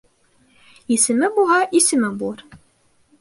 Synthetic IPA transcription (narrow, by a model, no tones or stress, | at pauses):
isɘ̆mɘbulˠɦɑʔisɘ̆mɘbulˠɤɾ